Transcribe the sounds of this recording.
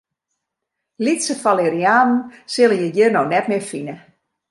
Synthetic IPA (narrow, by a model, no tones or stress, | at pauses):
litsəfaleɾiaːnn̩sɪlˠəjəjørnownɛtmɪfinə